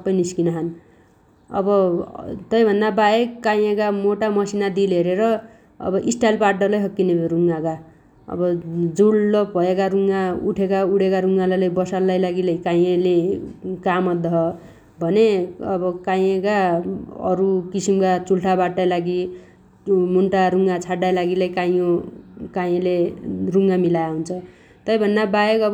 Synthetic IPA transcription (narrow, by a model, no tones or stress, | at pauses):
sʌpːʌjniskinʌɦʌn | ʌ̰bʌt̪ʌjbʱʌnd̪abaekaj̃ẽkamoʈamʌsinad̪ileɾeɾʌ | ʌ̰bʌʔisʈalpaɖʌlʌjɦʌkːineɾuŋɡaka | ʌ̰bʌd͡zuɽːʌpbʱʌekaɾuŋɡaṵʈʰekauɽekaɾuŋɡalalajbʌsalːajlaɡilʌjkaj̃elekamʌd̪ʱʌɦʌ | bʱʌneʌbʌkajekaʌ̰ɾukisimkat͡sulʈʰabaʈːajlaɡi | munʈaɾuŋɡat͡sʰaɽːajlaɡilajkajõkajẽleruŋɡamilajaɦunt͡sʰʌ | t̪ʌjbʱʌnːabajekʌbʌ